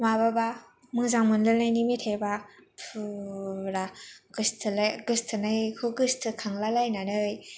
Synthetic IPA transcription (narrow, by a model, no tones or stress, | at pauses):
mababa | mɯŋzaŋmɯnlɯlnajnimitʰejbapʰuɾaɡ̥ɯstʰɯlaɡɯstʰɯnajkʰɯɡɯstʰɯkʰaŋlalajnanɯj